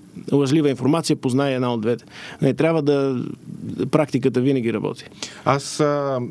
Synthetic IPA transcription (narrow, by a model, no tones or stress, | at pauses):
lˠɐʒlivəinfoɾmat̪sijəpoznajɛɛd̪naod̪vɛt̪ɛ̥nɐit̪ɾʲjabvəd̪ɐ | pɾak̚t̪ik̬ət̪əvinəɡ̟ʲiɾɐbɔ̰t̪i̥as